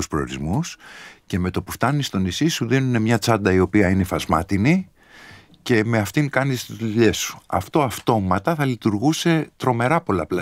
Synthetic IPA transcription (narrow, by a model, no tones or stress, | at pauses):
uspɾoo̰ɾizmusce̞me̞t̪o̞puft̪ɐnist̪o̞nisisuðinune̞mɲɐt͡sɐd̪ɐio̞piɐine̞fɐzmɐt̪ini | ce̞me̞ɐft̪iŋkɐnist̪izðuʎe̞su̥ɐ̰ft̪o̞ɐft̪o̞mɐt̪ɐθɐlit̪uɾɣuse̞t̪ɾo̞me̞ɾɐpo̞lɐplɐ